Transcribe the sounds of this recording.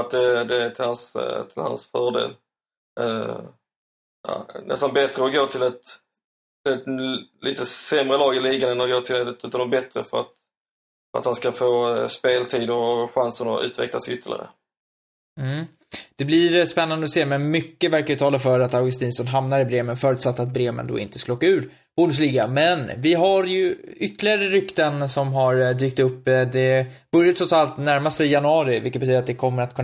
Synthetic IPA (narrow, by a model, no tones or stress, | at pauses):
at̪̚d̪ɛd̪ɛʈ̪ʰɪlhanst̪ʰɪlha̰nsfœːɖḛːl | ɑ̰ːnʔɛ̰st̪anbɛt̪ɾəɔɡoːt̪ʰɪlɛt̪ | ɪlɛt̪lʔiːt̪əsɛmɾəlɑːɡɪliːɡand̪ənɔɡoːt̪ʰɪlɛt̪ət̪ʉ̟ːt̪anɔbɛt̪ɾəfœɾat̪ | a̰t̪hanskafoːspeːlt̪ʰiːd̪ʊɾɔɧansənɔʔʉ̟ːt̪vɛ̰klasʏt̪ʰːəlɪ̰ɾə̰ | m̩ | d̪̥ɛblɪɾspɛnːand̪əɔseːmɛnmʏkːəvæɾkaɾjʏt̪ʰɑːlafœɾat̪aɾɡɵs̬t̪iːnsɔnɦamnaɾɪbɾeːmənfœːɾʉ̟ːt̪sat̪ːat̪̚bɾeːmə̰nd̪o̰ːɪ̰nt̪əskɵloːkːaʉ̟ːɾ | b̥uːɖəs̬liːɡamɛnvɪɦaɾjɵʏt̪ːəlɪɡaɾəɾʏkt̪ənsɔmɦaɾd̪yːk̚t̪ɵpːd̪ɛb̥ɵɾjat̪sʰɔt̪salt̪næɾmast̪ɛjanɵɑːɾɪvɪlkət̪̚bɛt̪yːd̪ɾat̪̚d̪ɛkʰɔmːəɾat̪̚kʰɵn